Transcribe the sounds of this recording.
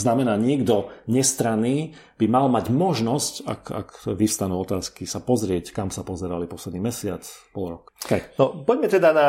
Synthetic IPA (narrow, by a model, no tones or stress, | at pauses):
znamɛnaːɲɪɛɡd̪ɔɲɛst̪ɾaniː | b̥imalmaɟmɔʒnɔsca̰ka̰kʋist̪anuːɔt̪aːskisapɔzɾɪɛckamsapɔzɛɾalipɔslɛd̪niːmɛsɪat͡spɔlɾɔkkɛnɔpɔɟmɛt̪ɛd̪ana